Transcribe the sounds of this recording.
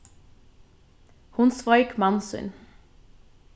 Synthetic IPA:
hʊnsʋɔʏkmɑnsʏ̰n

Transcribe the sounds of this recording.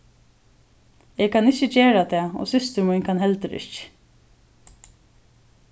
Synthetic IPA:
ɛɡkʰanɪt͡ʃːət͡ʃeːɾat̪ʰɛːɔ̰sʏst̪əɾmujnkʰanɦɛlt̪əɾɪ̰ç̥

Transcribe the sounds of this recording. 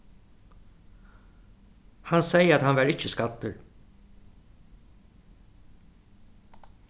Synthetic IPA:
hansɛjəat̪hanʋæɾɪt͡ʃːəskad̪ʏɾ

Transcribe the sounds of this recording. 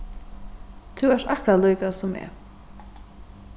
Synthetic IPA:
t̪ʰuɛʂt̪ahkɾalujkasʊmɛ̰ː

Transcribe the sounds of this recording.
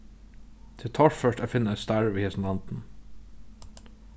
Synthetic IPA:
t̪ʰɪt̪ʰɑʃfœʃʈæfɪnɛst̪æɹʋiːhɛsnd̪ɑnt̪n̩

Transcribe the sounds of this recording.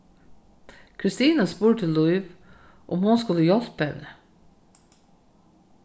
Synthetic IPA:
kʰɾɪst̪iːnɑspuːɾt̪ʰɪlːʊʏɪʋ | ʔʊmhʊnskʉləjɔlpɛ̰nə

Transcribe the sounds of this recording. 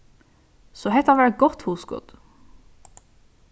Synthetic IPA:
sɔɦɛt̪ɑʋæɡɔt̪huːsɡɔ̰d̪̥

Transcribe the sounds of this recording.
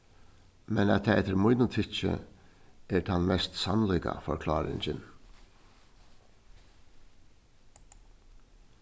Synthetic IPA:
mɛnɛ̰t̪ʰɛːɛt̪ːɪɾmujnʊt̪ʰɪt͡ʃɪ̰ | ɛɾt̪ʰanmɛst̪sanlujka̰fɔɾkʰlɑːɾɪ̰ɲt͡ɕɪn

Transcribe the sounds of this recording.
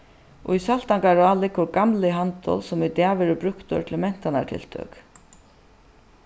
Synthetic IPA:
ʔɔ̰isal̥t̪aŋkaɾaːlɪkːʊɾɡamlɪɦant̪ɔ̰lsɔmɪt̪aʋɛːɾəbɾʊkt̪ɔ̰ɾt̪ʰɪlmɛn̥t̪ana̰ɹt̪ʰɪ̰lt̪ʰœ̰ːk

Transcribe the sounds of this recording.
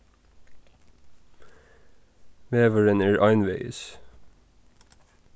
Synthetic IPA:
ʋeːʋəɹənæːɹʔɑɪnʋḛɪs

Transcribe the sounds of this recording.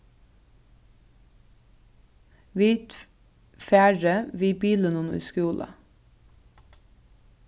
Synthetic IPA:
ʋiːt̪ | fæːɖəʋiːbiːlənʊnʉ̰ːskʉːlʔə̰

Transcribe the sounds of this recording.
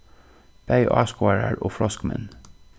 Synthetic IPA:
b̥æɪʔɑːskʊɑɹəɹʔoːfɾɔskmɛ̰n

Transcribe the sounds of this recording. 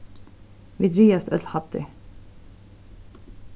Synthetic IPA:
ʋiːd̪ɾyːəst̪œ̰llhɑt̪ɪ̰

